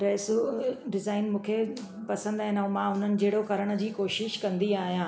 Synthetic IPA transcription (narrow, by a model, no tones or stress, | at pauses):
ʈɾɛːsuɖɪzaːɪnmũːkʰe | pɐsə̃nd̪aɦɪ̃naɦũmãɦʊn̤ənɪ̆d͡ʑeːɽokɐɾəɽ̃ə̆d͡ʑiːkoːʃɪʃkɐ̃nd̪iaːɦijãː